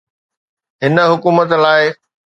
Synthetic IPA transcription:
ɦɪnə̆ɦʊkuːmət̪laːɪ

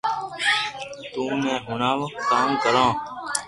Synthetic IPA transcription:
t̪ũːnɛ̃ːɦʊnaːʋk̪aːũːkəlãː

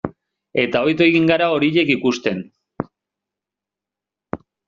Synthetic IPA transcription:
e̞t̪ao̞jt̪o̞eɣiŋɡaɾao̞ɾiʎe̞kikust̪e̞n

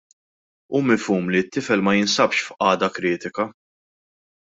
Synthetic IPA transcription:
umɪfuːmlit̪ːɪfɛlmɐjɪnsɐpʃfʔɐːd̪ɐkɾɪːt̪ɪkɐ

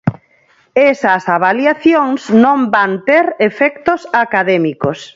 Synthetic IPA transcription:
esɐsaβaljaθjoŋsnõmbant̪eɾefɛkt̪osakaðɛmikos

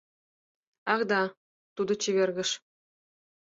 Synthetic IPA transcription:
ɑʁd̪ɑ | t̪ud̪ɤ̆t͡ɕiʋʲerɡʲɘ̆ʂ

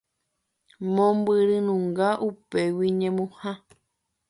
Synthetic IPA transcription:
mõmbɨɾɨnũŋɡaʔupe̞wiɲẽmũhã

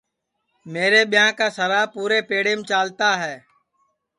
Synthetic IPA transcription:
meːɾeːɓɪjãːkaːsəɾaːpuːɾeːpeːɽeːmt͡ʃaːlt̪aːɦɛː

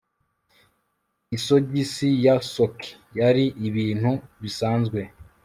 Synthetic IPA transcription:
isoɟisijasokʰi̥ | jaɾiʔiβiːn̥huβisaːnzɡwe̞

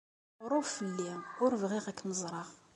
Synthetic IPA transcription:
ɾˤʊffəlːinʊɾvʁiʁækːnəzˤɾˤɑʁ

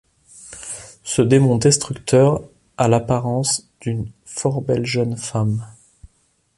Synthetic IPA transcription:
səd̪emɔ̃d̪ɛst̪χykt̪ʰœʁ | alapaʁɑ̃sd̪̥ynfɔʁbɛlʒənfam

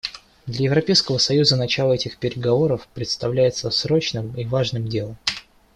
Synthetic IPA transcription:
d̪lʲɐjɪvɾɐpʲejskəvəsɐjuzənɐt͡ɕalˠəɛtʲɪxpʲɪɾʲɪɡɐvo̞ɾəfpɾʲɪt̪st̪ɐvlʲæjɪt̪səsɾo̞t͡ɕnɨmivaʐnɨmdʲe̞lˠəm

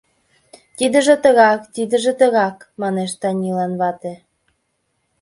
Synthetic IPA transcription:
t̪id̪ə̆ʒĕt̪ə̆ɣɑkt̪id̪ə̆ʒĕt̪ə̆ɣɑkmɑneʃt̪ɑnʲilɑnβɑt̪ĕ

